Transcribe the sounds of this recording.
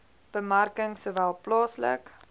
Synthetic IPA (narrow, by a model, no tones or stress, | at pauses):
b̥əmarkəŋsoːvælˠplɑːslə̰k